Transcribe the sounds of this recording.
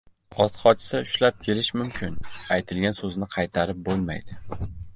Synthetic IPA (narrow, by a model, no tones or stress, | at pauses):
ɒt̪χɒt͡ʃʰɪ̥sɪʊʃlap̚kʲʰe̞lɪʃmʊmkʲʰɪnajt̪ʰɪlɡʲansɵznɪqʰɑjt̪ʰaɾɪp̚bolˠma̰jd̪ɪ